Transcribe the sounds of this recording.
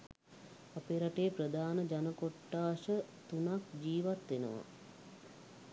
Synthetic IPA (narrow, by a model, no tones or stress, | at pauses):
apeɾaʈeːprəd̪ʱaːnəd͡ʒanəkoʈːaːʃət̪unakd͡ʒiːʋat̪ʋenə̰ʋa̰